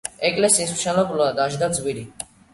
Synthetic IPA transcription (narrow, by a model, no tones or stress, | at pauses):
ɛkʼlɛsiːsmʃɛnɔkʼlɔad̪aʒd̪ad̪zwiɾi